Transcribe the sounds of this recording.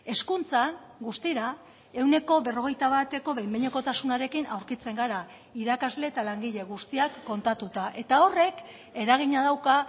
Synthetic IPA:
e̞skunt͡sanɡust̪iɾa | e̞wne̞ko̞βe̞ro̞ɣ̞e̞jt̪aβat̪e̞ko̞βejmbeɲeko̞t̪asunaɾe̞kinawɾkit͡se̞ŋɡaɾa | iɾakazle̞ːt̪alaŋɡiʎe̞ɣ̞ust̪iakːo̞nt̪at̪ut̪aʔe̞t̪ao̞re̞k | e̞ɾaɣ̞iɲað̞awka

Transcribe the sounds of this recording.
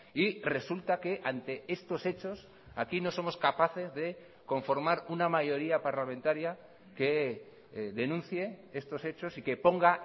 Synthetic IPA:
ire̞sult̪ake̞ʔant̪e̞e̞st̪ose̞t͡ʃo̞s | akino̞so̞mo̞skapaθe̞zðe̞ | ko̞ɱfo̞ɾmaɾunamaʝo̞ɾiapaɾlamẽnt̪aɾja | ke̞ | ðe̞nũn̟θje̞e̞st̪o̞se̞t͡ʃo̞sike̞po̞ŋɡa

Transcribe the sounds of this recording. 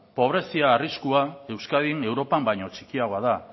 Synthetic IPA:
po̞β̞ɾe̞siaːriskuae̞wskaðine̞wɾo̞pambajɲo̞t͡ʃi̥kiaɣo̞aða

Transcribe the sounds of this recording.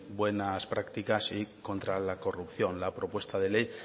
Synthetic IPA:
bwe̞naspɾakt̪ikasiko̞nt̪ɾalako̞rupθjõ̞nlapɾo̞pwe̞st̪aðe̞le̞j

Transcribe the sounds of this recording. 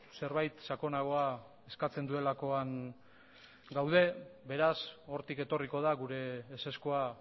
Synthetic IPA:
se̞ɾβajt̪sako̞naɣ̞o̞a | e̞skat͡se̞nd̪ue̞lako̞aŋ | ɡawðe̞be̞ɾaso̞ɾt̪ike̞t̪o̞riko̞ð̞aɣuɾe̞ːse̞skoa

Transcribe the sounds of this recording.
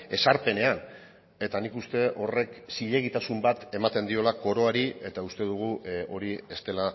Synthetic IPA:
e̞saɾpe̞ne̞an | e̞t̪anikust̪e̞ʔo̞re̞ksiʎe̞ɣ̞it̪asumbat̪e̞mat̪e̞nd̪io̞lako̞ɾo̞aɾie̞t̪aust̪e̞ðuɣ̞uo̞ɾie̞st̪e̞la

